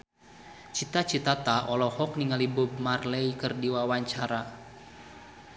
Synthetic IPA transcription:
t͡ʃit̪at͡ʃit̪at̪aʔɔlɔhɔk̚niŋalibub̚marlɛikɨrdiwawaɲt͡ʃaɾa

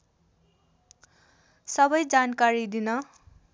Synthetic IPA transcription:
sʌbʌjd͡zankaɾid̪inʌ

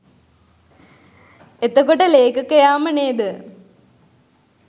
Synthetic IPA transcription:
et̪ːɐkːoʈːɐleːkɐkːɐjaːmɐneːd̪ɨ

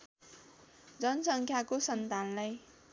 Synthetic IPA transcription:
d͡zʌnʌsʌŋkʰjakosʌnt̪anlaj

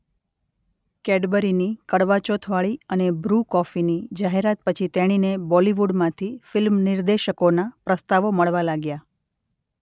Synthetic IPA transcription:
kɛɖbəɾinikəɽʋat͡ʃot̪ʰʋaɭiənebɾukɔfinid͡ʒaɦeɾat̪̚pət͡ʃʰit̪eɽ̃inebɔliʋuɖmãt̪ʰifɪlmnɪɾd̪eʃəkonapɾəst̪aʋoməɭʋalaɡja

